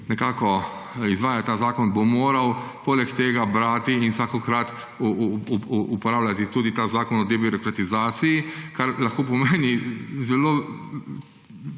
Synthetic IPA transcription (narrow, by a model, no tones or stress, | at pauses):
nɛkaːkɔizʋaːjat̪t̪ːaːzaːkɔnbomoːɾawpoːlɛkt̪eːɡabɾaːt̪iinsaːkɔkɾat̪ | uːpɔɾaːwlʲat̪it̪uːd̪it̪aːzaːkɔnɔd̪ɛbiɾɔkɾat̪izaːt̪sijikaɾlaxkoːp̬ɔmeːnizɛlo